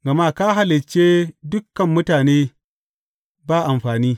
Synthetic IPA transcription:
ɡɐ˨maː˦ka˦ɦa˦lɪ˨t͡ʃːeː˦dʊ˦kːɐ˨mːʊ˦taː˨neː˦ | baː˦ʔa˨mɸaː˨niː˦

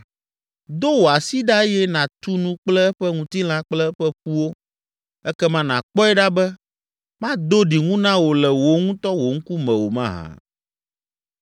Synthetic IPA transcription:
d̪o˦wo˨a˨si˦ɖa˦ɛ˦jɛ˦nã˨t̪u˦nũ˦k͡plɛ˦ɛ˦ɸɛ˦ŋũ˨t̪i˦l̃ã˦k͡plɛ˦ɛ˦ɸɛ˦ɸu˦wo˦ | ɛ˦kɛ˦mã˦nã̰˨k͡pɔ˦ɛ˦ɖa˦bɛ˦ | mã˦d̪o˦ɖi˨ŋũ˦nã˦wo˨lɛ˨wo˨ŋũ˦t̪ɔ˦wo˨ŋ̩˦ku˦mɛ̃˨wo˨mã̰˦ɦã̰˨

